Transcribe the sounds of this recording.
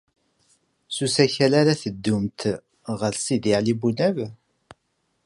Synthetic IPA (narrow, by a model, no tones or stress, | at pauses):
susæçælaɾaθəd̪ːumt̪ | ʁəlsid̪ɪʕlibunæv